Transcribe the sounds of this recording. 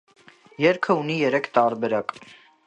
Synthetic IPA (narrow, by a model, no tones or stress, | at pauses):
jɛɾkʰəunijɛɾɛkʰt̪ɑɾbɛɾɑk